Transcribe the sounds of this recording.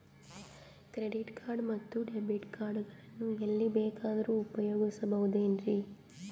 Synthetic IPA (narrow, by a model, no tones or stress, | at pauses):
kɾeɖiʈkʰaːɾɖmɐt̪ːuɖebiʈkaːɾɖuɡɐɭɐnːuelːibɛːkaːd̪ɐɾuupɐjoːɡisɐbɐɦud̪eːnɾi